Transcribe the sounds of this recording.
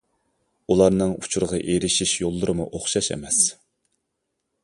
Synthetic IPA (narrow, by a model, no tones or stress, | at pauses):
ulˠɑɾnɨŋut͡ʃʰuɾəʁɑʔeɾɪʃiʃjolˠːʊɾɨmuʔoχʃɑʃɛ̰mɛs